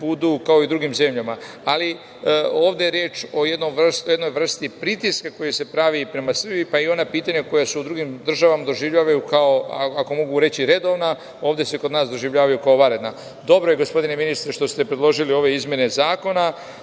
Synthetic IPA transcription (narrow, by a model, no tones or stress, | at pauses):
bud̪ukao̞id̪ɾuɡimze̞mʎama | ali | o̞ːʋd̪eɾjeːt͡ʃo̞jed̪nomʋr̩st̪oje̞d̪no̞jvr̩st̪ipɾit̪iskako̞jese̞pɾaʋipɾemasr̩bipaio̞napiːt̪aɲeko̞jaseud̪ɾuɡimd̪r̩ʒaʋamad̪o̞ʒiʋʎaːʋajukao̞aako̞mo̞ɡuɾe̞t͡ɕiɾe̞d̪o̞ʋna | oːʋd̪e̞seko̞d̪naːsd̪o̞ʒiʋʎaːʋajukao̞ʋaɾe̞d̪na | d̪o̞bɾo̞jeɡo̞spo̞d̪ine̞minist̪ɾeʃt̪o̞st̪e̞pɾe̞d̪lo̞ʒilio̞ʋe̞izmʲje̞ne̞zaːko̞na